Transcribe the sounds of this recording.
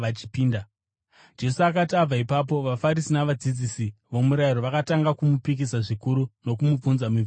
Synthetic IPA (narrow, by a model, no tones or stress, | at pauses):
at͡ʃi̥piːnda | d͡ʒe̞suakatiab͡vaipap̬o̞ʋafaɾisinaʋad͡zid͡zisiʋo̞muɾaiɾo̞ʋakataŋɡakumupik̬isaʐikuɾuno̞kumub͡vunzamiv